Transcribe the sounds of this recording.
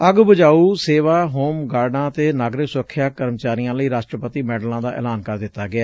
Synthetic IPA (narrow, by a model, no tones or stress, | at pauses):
əɡbəd͡ʒaːuːseːʋaːɦoːmɡaːɾnãːt̪eːnaːɡɾɪksʊɾəkʰːjaːkəɾmət͡ʃaːɾɪjãːləiːɾaːʃʈɾəpət̪iːmɛːɖlãːd̪aːʔɛ̰ːlaːnkəɾd̪ɪt̪ːaːɡɪaː